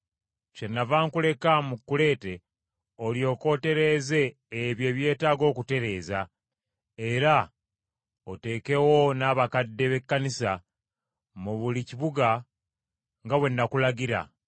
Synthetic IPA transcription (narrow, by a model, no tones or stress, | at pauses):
t͡ʃenːavaːŋkule̞kamukːule̞ːte̞ | o̞ljo̞ːko̞ːte̞ɾe̞ːze̞ː | βje̞ːβje̞ːtaːɡo̞ːkute̞ɾe̞ːza | e̞ɾa | ote̞ːke̞wo̞naːβakadːe̞βe̞kːanisa | muβuliciβuɡa | ŋɡawe̞nːakulaɡiɾa̰